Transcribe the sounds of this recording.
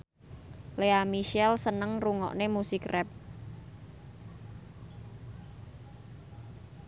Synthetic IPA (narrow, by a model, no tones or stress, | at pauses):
leamiʃɛlsənəŋruŋɔ̰ʔnemusikrʔɛp̚